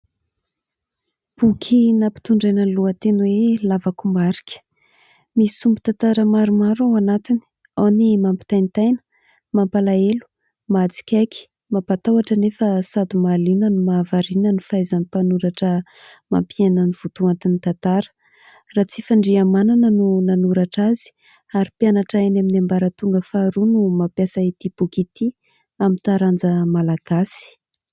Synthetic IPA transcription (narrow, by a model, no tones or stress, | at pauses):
b̥ukʰinapi̥t̪uɳɖ͡ʐajnəluət̪enwelavakumaɾi̥kʲə̥ | misumbit̪ant̪aɾəmaɾumaɾawanat̪ini̥ | animampi̥t̪ajnt̪ajnə̥ | mampalaelu̥ | mat͡si̥kʲakʲi̥ | mapat̪awaʈ͡ʂənefəsad̪imalinənumaːvaɾinənifajzanipanuɾaʈ͡ʂə | ma̰mpienəniv̥ut̪uant̪init̪at̪aɾə̥ | rat͡sifaɳɖ͡ʐiamananənunanuɾaʈ͡ʂazi̥ | aɾipjanaʈ͡ʂaenaminambaɾət̪uŋɡəfaɾunumapjasait̪ibukit̪i | amint̪aɾand͡zəmalaɡ̥asi̥